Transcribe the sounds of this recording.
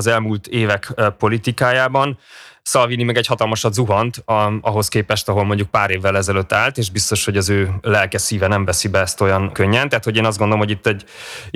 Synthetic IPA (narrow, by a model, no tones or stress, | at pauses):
zɛlmuːlt̪eːvɛkpo̞lit̪ikaːjaːbɒnsɒlvinimɛɡɛchɒt̪ɒlmɒʃɒd̪zuɦɒnt̪ɒɦo̞skeːpɛʃt̪ɒɦo̞lmo̞ɲɟuk̚paːɾeːvːɛlɛzɛløt̪ːaːlt̪eːʒbist̪o̞ʃho̞ɟɒzøːlɛlkɛsiːvɛnɛɱvɛsibɛɛst̪o̞jɒnkøɲːɛnt̪ɛɦat̪ho̞ɟeːnɒzdɡo̞nd̪oomɦo̞ɟit̪ːɛɟ